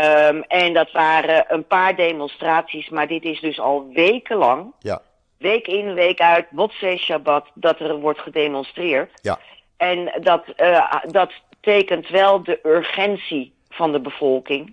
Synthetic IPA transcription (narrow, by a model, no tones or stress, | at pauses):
ɛndɑtʋaːrəʔənpaːɹdejmɔnstraːtsismaːɹdɪtɪsdɵsɑ̰lˠʋejkəlɑŋ | ʋejkɪnʋejkœɥtʋɔtsejʃabɑtdɑtɛrʋɔɹtχədejmɔnstrɪːɹt | ɛndɑtdɑtː | ejkəntʋɛlˠdəʔʏɹχɛnsi | v̥ɑndəbəv̥ɔlˠkɪŋ